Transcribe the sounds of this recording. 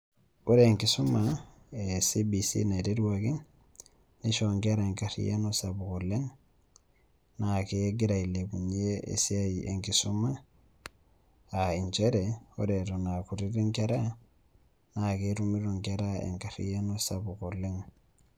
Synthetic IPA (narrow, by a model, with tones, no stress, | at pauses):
o˦ɾeːŋki˨su˦ma | esibisḭna˨te˦dwaki˦ŋ | ni˦ʃoŋke˦ɾae˨ŋka˨ɾḭjḛ˦nosabu˨kole˦ŋ | nake˦eɡi˦ɾa˨i˨le˨bu˨ɲ˦e˦ḛ˨sia˦ḛ˨ŋkisuma˦ | ai˨ɲt͡ʃeɾeo̰˦ɾetona˨ku˨ɾiɾi˦ŋkeɾa˦ | nakeɾumi˦ɾuŋkeɾa˦ḛ˨ŋkaɾḭja˦nosabu˨ko˨le˦ŋ